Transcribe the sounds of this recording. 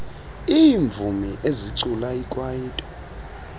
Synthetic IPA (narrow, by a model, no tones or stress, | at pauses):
iːɱvʱumiʔeziǀulaikʼwajiːtʼɔ̥